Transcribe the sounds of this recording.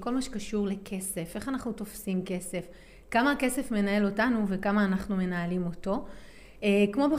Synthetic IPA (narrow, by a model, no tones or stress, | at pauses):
ko̞lmaʃekaʃuʁle̞kʰe̞se̞fe̞χanaχnuto̞fsimke̞se̞f | kamaːkesefme̞nae̞lo̞tanuve̞kamaːnaχnume̞naːlimo̞to̞ | ekmo̞be